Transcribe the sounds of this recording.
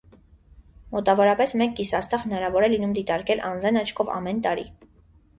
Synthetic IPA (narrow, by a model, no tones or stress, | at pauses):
mɔt̪ɑvɔɾɑpɛsmɛkːisɑst̪ɑhənɑɾɑvɔɾɛlinumd̪it̪ɑɾkɛlʔɑnd͡zɑnɑt͡ʃʰkʰɔvɑ̰mɛnt̪ɑɾḭ